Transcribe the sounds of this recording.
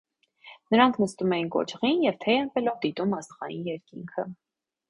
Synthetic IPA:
nəɾɑŋkʰnəst̪umɛjinkɔ̰t͡ʃʰʁinjɛvt̪ʰɛjɛnbɛlɔvd̪it̪umɑst̪ʁɑjinjɛɾkiŋkʰə̰

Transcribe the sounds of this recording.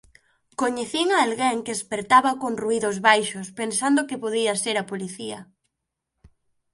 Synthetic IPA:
koɲeθiŋaːlɣeŋkeespeɾt̪aβakonruiðozβajʃospensand̪okepoðiaseɾapoliθia

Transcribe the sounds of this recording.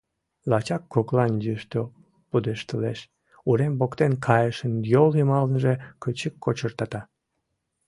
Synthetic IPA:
lɑt͡ɕɑkːoklɑnjyʃt̪o | pud̪eʃt̪əleʃ | uɾembokt̪enkʰɑjəʃənjolimɑlənʒekət͡ɕəkːot͡ɕərt̪ɑt̪ɑ

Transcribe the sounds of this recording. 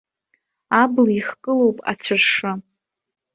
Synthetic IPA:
abliχkʼɨlowpʼa̰t͡ɕʷʰarʂɨ

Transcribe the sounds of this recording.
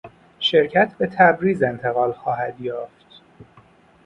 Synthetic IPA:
ʃe̞ɾcʰæt̪ʰbe̞t̪ʰæbɾiːze̞nt̪ʰe̞ɣɒːlxɒːhæd̪jɒːft̪

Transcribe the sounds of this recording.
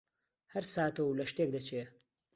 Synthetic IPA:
hɐɾsaːt̪ɐwlɐʃt̪eːk̚d̪ɐt͡ʃʰeː

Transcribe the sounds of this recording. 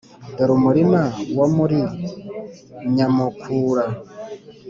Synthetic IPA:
doɾumuɾimawomuɾi | ɲamukʰuːɾa

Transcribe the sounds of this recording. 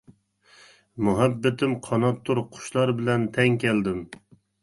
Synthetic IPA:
muɦɛbːɪt̪ʰɪmqʰɑnɑt̪ʰːuɾqʰʊ̥ʃlˠɑɾbɪlɛnt̪ʰɛŋkʲʰɛld̪ɪm

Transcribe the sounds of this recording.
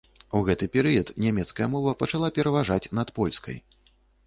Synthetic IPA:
uɣɛt̪ɨpʲɛɾɨjɐt̪nʲamʲɛt̪skɐjɐmɔvɐpɐt͡ʂalˠapʲɛɾɐvaʐat͡sʲnɐt̪pɔlʲskɐ̰j

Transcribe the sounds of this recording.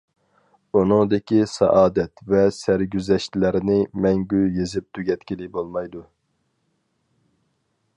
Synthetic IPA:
unɨŋd̪ɪkʲisɑ̰ʔɑːd̪ɛt̪vɛsæɾɡʲyzɛʃt̪læɾɪnɪmɛŋɡʲyjezɪp̚t̪ʰyɡʲɛt̪kʲilɪbolˠmɑjd̪u

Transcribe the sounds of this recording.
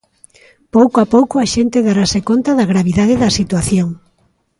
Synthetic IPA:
powkoapowkoaʃent̪ɪðaɾasekont̪aðaɣɾaβiðað̞eðɐsit̪waθjoŋ

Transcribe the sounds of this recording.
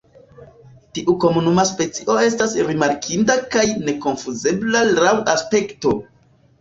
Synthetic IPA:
tiʔuko̞munumaspe̞t͡siʔo̞e̞stasɾimaɾkʰindakajne̞ko̞nfuze̞blalawaspe̞kto̞

